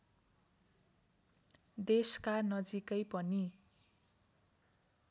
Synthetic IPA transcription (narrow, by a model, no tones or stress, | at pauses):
d̪eskanʌd͡zikʌjpʌni